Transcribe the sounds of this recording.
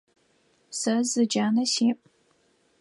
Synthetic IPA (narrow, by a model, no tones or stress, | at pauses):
sɐzɨd͡ʒaːnɐseːmʼ